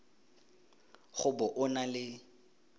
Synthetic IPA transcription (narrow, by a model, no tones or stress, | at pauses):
χʊbʊʔʊnalɪ